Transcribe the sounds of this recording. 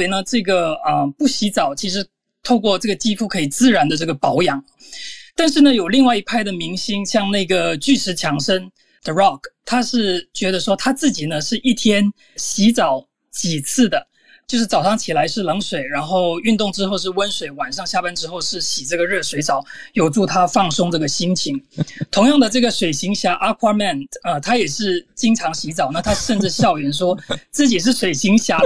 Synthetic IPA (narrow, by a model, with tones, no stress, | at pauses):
ɪnə˧ʈ͡ʂɤ˥˩ɡə˩ə˧pu˥˩ɕi˧˥t͡sɑ˨˩ʊt͡ɕʰi˧˥ʂɻ̩˧˥ | t̪ʰo˥˧ʊkwɔ˥˧ʈ͡ʂɤ˥˩ɡə˩t͡ɕi˥fu˥˩kʰɤ˧˥i˨˩t͡sɹ̩˥˩ɻa˧˥nd̪ə˧ʈ͡ʂɤ˥˩ɡə˩pɑ˧˥ʊjɑ˧˥ŋ | t̪a˥˧nʂ̬ɻ̩˥˩nə˩jo˨˩ʊli˥˧ŋwa˥˩ɪi˧˥pʰa˥˩ɪd̪ə˨mi˧˥ŋɕi˥ŋɕjɑ˥˧ŋna˥˩ɪɡə˩t͡ɕy˥˩ʈ͡ʂʰɻ̩˧˥t͡ɕʰjɑ˧˥ŋʂə˥n | d̪̥ə˩ɻɑ˥˩kt̪ʰa˥ʂɻ̩˥˩t͡ɕɥɛ˧˥d̪ə˧ʂwɔ˥t̪ʰa˥t͡sɹ̩˥˩t͡ɕi˨˩nə˦ʂɻ̩˥˧ʔi˥˩t̪ʰjɛ˥n | ɕi˧˥t͡sɑ˨˩ʊ | t͡ɕi˨˩t͡s̩ʰ˥˩d̪ə˩ | t͡ɕjo˥˧ʊʂ̬ɻ̩˥˩t͡sɑ˨˩ʊɑ˥˩ŋt͡ɕʰi˨˩la˧˥ɪʂɻ̩˥˩lɤ˧˥ŋswe˨˩ɪɻa˧˥nxo˥˩˧ʊy˥˧nt̪ʊ˥˩ŋʈ͡ʂɻ̩˥xo˥˧ʊʂ̬ɻ̩˥˩wə˥nswe˨˩ɪwa˨˩nʂɑ˥˧ŋɕja˥˧pə˥nʈ͡ʂɻ̩˥xo˥˧ʊʂɻ̩˥˩ɕi˨˩ʈ͡ʂɤ˥˩ɡə˩ɻɤ˥˩ʂwe˧˥ɪt͡sɑ˨˩ʊjo˨˩ʊʈ͡ʂu˥˩t̪ʰa˥fɑ˥˩ŋsʊ˥ŋʈ͡ʂɤ˥˩ɡə˩ɕi˥ŋt͡ɕʰi˧˥ŋt̪ʰʊ˧˥ŋjɑ˥˩ŋd̪ə˩ʈ͡ʂɤ˥˩ɡə˩ʂwe˨˩ɪɕi˧˥ŋɕja˧˥ʔa˥kʰwa˥mɛ˥˩nə˧t̪ʰa˥jɛ˨˩ʂɻ̩˥˩t͡ɕi˥ŋʈ͡ʂʰɑ˧˥ŋɕi˧˥t͡sɑ˨˩ʊna˥˩t̪ʰa˥ʂə˥˧nʈ͡ʂɻ̩˥˧ɕjɑ˥˩ʊɥɛ˧˥nʂwɔ˥t͡sɹ̩˥˩t͡ɕi˨˩ʂ̬ɻ̩˥˩ʂwe˨˩ɪɕi˧˥ŋɕja˧˥